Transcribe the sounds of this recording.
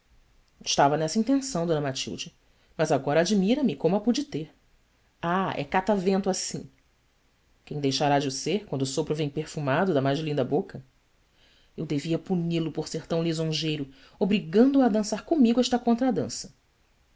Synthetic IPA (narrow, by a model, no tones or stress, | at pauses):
ɪʃt̪avɐnɛsɐĩnt̪ẽsɐ̃w̃d̪õnɐmat͡ʃḭwd͡ʒɪ | mɐzaɡɔɾɐad͡ʒimiɾɐmɪkõmʊapud͡ʒɪt̪eɾ | aɛ̰kat̪avẽnt̪ʊasĩ | kẽj̃d̪ejʃaɾad͡ʒɪʊseɾkwɐ̃nd̪ʊsopɾʊvẽj̃peɾfumad̪ʊd̪ɐmajzlĩnd̪ɐbokɐ | ewd̪eviɐpunilʊpoɾseɾt̪ɐ̃w̃lizõʒejɾʊ | obɾiɡɐ̃nd̪ʊɐd̪ɐ̃saɾkõmiɡʊɛʃt̪ɐkõnt̪ɾɐd̪ɐ̃sɐ